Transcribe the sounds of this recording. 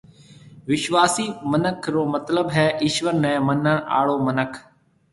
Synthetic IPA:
ʋɪʃʋaːsiːmənəkʰɾoːmət̪ləbɦɛːʔɪʃʋəɾnɛ̃ːmənəɳʔa̰ːɭoːmənəkʰ

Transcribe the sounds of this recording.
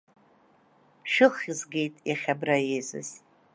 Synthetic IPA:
ʃᶣɨχizɡʲejtʼaχʲabrajezɨ̰z

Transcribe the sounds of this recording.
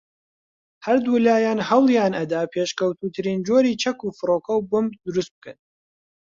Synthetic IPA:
hɐɾd̪ulaːjaːnhɐwlˠjaːnʔɐd̪aːpʰeːʃkɐwt̪uːt̪ʰɨɾiːnd͡ʒoɾiːt͡ʃʰɐkuːfɨɾoːkɐwbʊmd̪ʊɾust̪̚b̚ɨkɐ̰n

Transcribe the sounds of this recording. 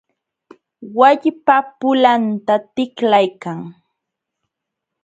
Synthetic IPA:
waʎpapʊlant̪at̪ɪklajkaŋ

